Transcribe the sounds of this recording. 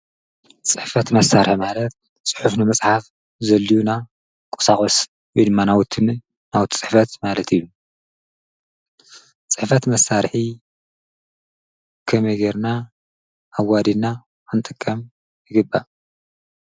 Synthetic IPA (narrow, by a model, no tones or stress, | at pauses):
t͡sʼɨħfɐt̪mɐsːaɾħmalɐt̪̚ | t͡sʼɨħufnɨmɐt͡sʼħaf | zɐlːijuna | kʷʼɔ̥saχʼos | wɔjd̪ɨmːanawt̪ʰːɨnɨ | nawt̪ʰi̥t͡sʼɨħfɐt̪malɐt̪ʰijːu | t͡sʼɨħfɐt̪mɐsːaɾħi | kʰɐmeɡeɾna | ʔːwad̪inːa | ant̪ʼɨkʼːɐm | jɨɡɨbːa̰